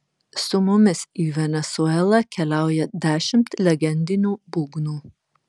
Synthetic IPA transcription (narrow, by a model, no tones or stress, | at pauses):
sʊmʊmʲɪsiːʋʲɛnʲɛsuɛlˠɐkʲɛlʲæˑʊjɛd̪ʲæːʃʲɪmt̪lʲɛɡʲɛnʲd̪ʲɪnʲuːbuːɡnuː